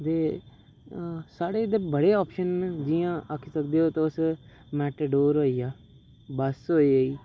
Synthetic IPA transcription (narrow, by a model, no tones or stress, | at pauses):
t̪eː | saːɽeːd̪eːbəɽeːɔːpʃənd͡ʒijãːʔəkʰisək̚d̪eːoːt̪õʊs | mɛːʈəɖoːɾɦoːiːaː | bəsɦoːiːəiː